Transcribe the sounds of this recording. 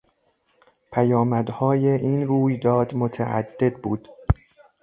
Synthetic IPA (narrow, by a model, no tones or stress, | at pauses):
pʰæjɒːmæd̪hɒːjeʔiːnɾuːjd̪ɒːd̪mot̪ʰæ̰ʔæ̰d̪ːe̞d̪̚buːd̪̥